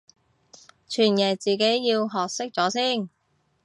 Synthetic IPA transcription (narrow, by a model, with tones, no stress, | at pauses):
t͡ʃʰyː˨˩njɛː˨˩t͡siː˨˩ke˨˥jːiː˧wɦɔː˨k̚sɪ˥k̚t͡sɔː˨˧˥siː˥˩n